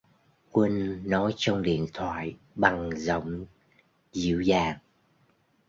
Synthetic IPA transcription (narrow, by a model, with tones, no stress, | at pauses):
kwi˧ŋ̟nɔ˨˦jt͡ɕɔ˧wŋ͡mɗḭ˧˨ənt̪ʰwa̰ː˧˨j | ɓa˨˩ŋzə̰˧˨wŋ͡m | zḭ˧˨əwzaː˨˩ŋ